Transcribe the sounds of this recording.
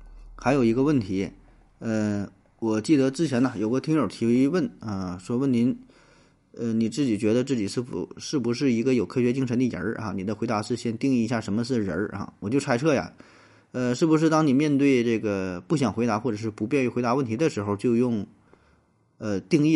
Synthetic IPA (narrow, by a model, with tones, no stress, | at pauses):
xa˧˥ɪjo˨˩ʊi˧˥ɡə˧wə˥˩nt̪ʰi˧˥ | ə˧ | wɔ˨˩t͡ɕi˥˩d̪ə˦t͡sɹ̩˥t͡ɕʰjɛ˧˥nɐ˧jo˨˩ʊɡə˦t̪ʰi˧˥ŋɻə˨˩˥t̪ʰi˧˥we˥wə˥˩nə˧ʂwɔ˥wə˥˩nni˧˥n | ə˧ni˨˩t͡sɹ̩˥˩t͡ɕi˨˩t͡ɕɥɛ˧˥d̪ə˧t͡sɹ̩˥˩t͡ɕi˨˩ʂɻ̩˥˩fṵ˨˩ʂɻ̩˥˩bu˧˥ʂ̬ɻ̩˥˩i˧˥ɡə˧jo˨˩ʊkʰɤ˥˩ɕɥɛ˧˥t͡ɕi˥˧ŋʂʰə˧˥nd̪ə˧˩˧ə̰˞˧˥ɐ̰˧˩ni˨˩d̪ə˧xwɪa˧˥ʂɻ̩˥˧ɕjɛ˥˧nt̪i˥˧ŋi˥˩i˧ɕja˥˩ʂə˧˥nmə˧ʂ̩˥˩ɻə̰˧˥a̰˥˧wɔ˨˩t͡ɕjo˥˩ʊʈ͡ʂʰa˥ɪʈ͡ʂʰɤ˥˩ja̰˨˩ | ə˧ʂɻ̩˥˩bu˧˥ʂ̬ɻ̩˥˩t̪ɑ˥ŋni˨˩mjɛ˥˧nt̪we˥˧ɪʈ͡ʂɤ˥˩ɡə˩pu˥˩ɕjɑ˨˩ŋxe˧˥ɪt̪a˧˥xwɔ˥˩ʈ͡ʂɤ˨˩ʂɻ̩˥˩pu˧˥pjɛ˥˧ny˥˩xwɪt̪a˧˥wə˥˩nt̪ʰi˧˥d̪ə˧ʂɻ̩˧˥xo˧ʊt͡ɕjo˥˧ʊjʊ˥˧ŋ | ə˧t̪i˥˧ŋi˥˩